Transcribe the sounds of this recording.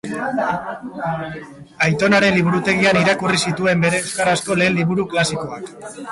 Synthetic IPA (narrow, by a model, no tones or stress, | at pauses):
ajt̪o̞naɾe̞nliβ̞uɾut̪e̞ɣ̞ianiɾakurisit̪ue̞mbe̞ɾe̞ewskaɾasko̞le̞ːlːiβuɾuklasiko̞ak